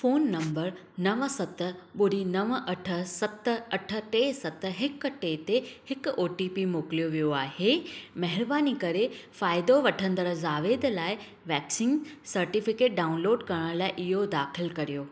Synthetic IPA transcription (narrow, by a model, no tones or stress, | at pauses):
foːnːɐ̃mbəɾ | nɐʋsɐt̪ə̆ɓʊɾinɐʋʔɐʈʰə̆sɐt̪ə̆ɐʈʰə̆ʈeːsɐt̪̆ɦɪkʈeːt̪ehɪkʊoːʈipimoːklijoʋijoaːhemɐɦɪɾbaːnikɐɾefaːɪd̪oʋɐʈʰə̃nd̪əɾzaːʋeːd̪laːɪ | ʋɛːksɪ̃ŋɡsɐɾʈɪfɪkeːʈ̚ɖaːʊnloːɖkɐɾəɽ̃laːɪʔɪɦod̪aːxɪlkɐɾijoː